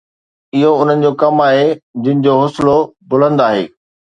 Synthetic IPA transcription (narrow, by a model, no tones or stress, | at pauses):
ɪɦoʊn̤ənɪ̆d͡ʑokɐmaːɦed͡ʑɪ̃nɪ̆d͡ʑoːɦʊslobʊlə̃nd̪aːɦḛː